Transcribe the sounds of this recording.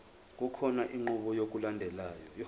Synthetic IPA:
k̬ʼukʰɔnaʔiŋ͡ǃuɓɔjok̬ulandʱɛlajɔj

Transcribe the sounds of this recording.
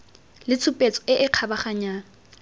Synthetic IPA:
lɪt͡sʰʊpʼet͡sʼɔ̥ɪʔɪq͡χʰabaχaɲaːna

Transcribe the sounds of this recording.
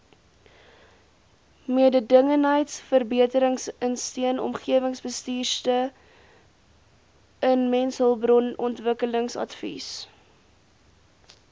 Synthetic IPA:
miədədəŋənɦəjtsfərbiətəɾəŋsənstiənɔ̰mχiəvəŋsbəstiːrstə | ənmɛnsɦəlˠbrɔnɔntvəkələŋsɐ̰tfḭs

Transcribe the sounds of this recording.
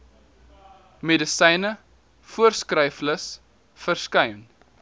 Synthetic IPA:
medəsɛjnə | fuərskrœjfləs | fərskœɥn

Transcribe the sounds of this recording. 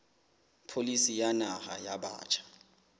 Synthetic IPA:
pʰolisijanahajaɓa̰ːt͡ʃʼʰḁ

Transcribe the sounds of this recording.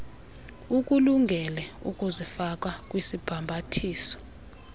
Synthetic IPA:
uk̬ʼuluŋɡʱɛlɛṵkʼuzifak̬ʼakʼwisib̥ʱambʱatʰiːsɔ̥

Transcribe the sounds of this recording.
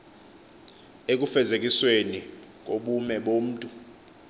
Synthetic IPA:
ek̬ʼufɛzek̬ʼiswenik̬ʼoɓumɛɓom̩ːtʼu

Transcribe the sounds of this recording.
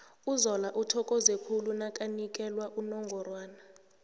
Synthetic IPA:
uzɔlaʔutʰɔkʼɔzekʰulunakʼanik̬ʼɛlwaʔunɔŋɡʱɔrwaːna

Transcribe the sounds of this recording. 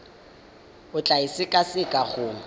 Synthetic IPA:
ʊt͡ɬʼaisɪkʼasɪkʼaɣʊ

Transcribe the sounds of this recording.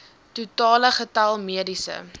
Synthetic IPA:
tutɑːləχətɐlˠmiədisə̰

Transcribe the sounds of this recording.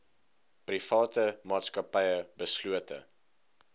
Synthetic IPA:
prifɑːtəmɑːtskɐpɛjəbəsluətə̰

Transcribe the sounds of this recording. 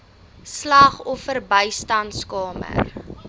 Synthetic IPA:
slɐχɔfərbəjstɐntskɑːmə̰r

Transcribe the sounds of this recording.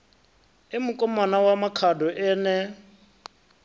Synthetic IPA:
ɪmukʼɔmanawamakʰadɔʔɛːnɛ

